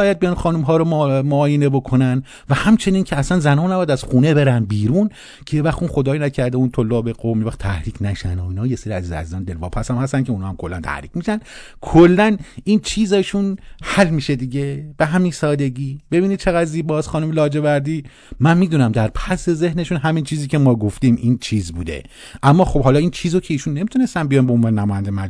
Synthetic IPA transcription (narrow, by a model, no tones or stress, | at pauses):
bɒːjæd̪̚bijɒnxɒːnumɦɒːɾommoːjenebo̞kʰo̞næn | væhæmt͡ʃʰe̞nincʰeæsænzænɒːnæbjæd̪æz̥xuːnebe̞ɾæn̚biːɾun | cʰejevæxt̪unxo̞d̪ɒːjinæcʰæɾd̪eunt̪ʰolːɒːbeɡomivæχt̪ʰæhɾiːkʰnæʃænoiːnɒːjeseɾiæziːzḛæ̰ziːzɒːnd̪e̞lvɒ̰ːpʰæsæmhæst̪ænkcʰeunhɒːhæmkʰo̞lːænt̪ʰæ̰hɾiːkmiːʃæn | kʰolːænint͡ʃʰiːzeʃunhælmiːʃed̪iɟeb̥e̞ɦæminsɒːd̪e̞ɡiːbe̞biːnid̪̥̚t͡ʃʰe̞ɣæd̪ziːbɒːsxɒːnumelɒːd͡ʒe̞væɾd̪iː | mænmiːd̪uːnæmd̪æɾpʰæse̞ze̞hne̞ʃunɦæmint͡ʃʰiːziːcʰemɒːɡoft̪iːmʔiːnt͡ʃʰiːzbuːd̪e̞̰ | ʔæmːɒːxo̞bɦɒːlɒːint͡ʃʰiːzocʰeiːʃunːe̞miːt̪ʰune̞st̪ænbijɒnbeonvɑːnenæmɔːjænd̪emæ